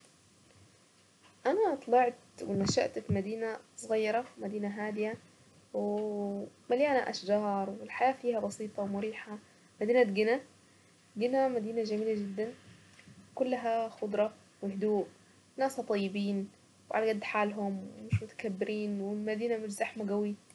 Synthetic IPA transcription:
ʔanat̪ˤlɑʕt̪wɪnaʃa̰ʔt̪fimad̪iːnasˤɣɑjːɑɾˤɑmad̪iːnaɦaːd̪ɪja | wɪ | maljaːnaʔa̰ʃd͡ʒɑːɾˤwɪlħajaːfiːhabɑsiːt̪ˤɑwmʊɾiːħa | mad̪iːnat̪ɡɪna | ɡɪnamad̪iːnad͡ʒamiːlad͡ʒɪd̪ːan | wkʊlːaɦaxʊd̪ˤɾˤɑ | wɪhd̪uːʔ | nːaːshɑt̪ˤɑjːɪbiːn | wʕa̰laɡad̪ːħaːlɦʊmwɪmɪʃmʊt̪ḁkabːɪɾʔiːnwɪlmad̪iːnamɪʃzaħmaɡawi

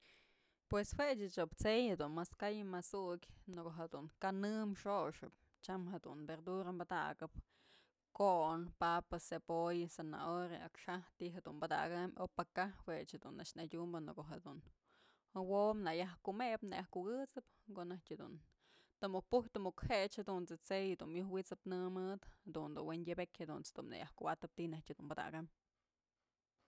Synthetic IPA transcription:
pweswet͡ʃɨt͡ʃopt͡sejhed̪unmaskajmasukʲnokoɦed̪uŋkanɨmʂoʂɨp̚ | t͡ʃamɦed̪ṵnbeɾd̪uɾambad̪a̰ɡɨp̚ | koʔnpapɨsepojsena̰oɾeakʂaht̪iɦed̪unbad̪a̰ɡɨmopakahwet͡ʃhed̪unːat͡ʃnadʲumbɨnɨkoɦed̪un | womnajahkumepnajahkuɡɨt͡sɨp | koʔnahtʲed̪ṵn | t̪ɨmuk̚puht̪ɨmukhet͡ʃhed̪unt͡sɨt͡sejd̪unmjuhwit͡sɨpnɨmɨd̪had̪und̪unwendʲebekʲhed̪unt͡sd̪ṵmna̰ja̰hkubat̪ɨp̚t̪inahtʲhed̪unbad̪a̰ɡam

